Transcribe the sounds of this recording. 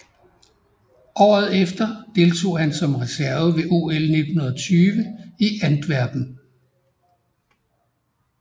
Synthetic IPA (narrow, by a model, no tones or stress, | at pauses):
ʔɒ̰ːð̞̩ˠefd̥ɐd̥e̝lt͡sʰo̝̰ːhænsɒ̽mʁɛsæɐʋəʋe̝ʔo̝ːelne̝d̥hunɐð̩ˠɒt͡sʰyːʋəiʔænd̥ʋæɐ̰b̥n̩